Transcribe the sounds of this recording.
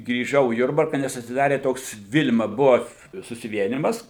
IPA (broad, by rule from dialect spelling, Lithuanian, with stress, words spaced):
ɡrʲiːˈʒɐʊ iː ˈjʊrbɐrkɐ nʲɛs ɐtʲsʲɪˈdɑːrʲeː ˈtoːks ˈʋʲɪlʲmɐ ˈbʊɐ sʊsʲɪˈʋʲiɛnʲɪmɐs